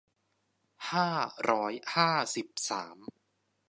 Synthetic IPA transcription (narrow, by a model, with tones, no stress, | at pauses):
haː˥˩ɾɔː˦˥jhaː˥˩si˨˩p̚saː˩˦m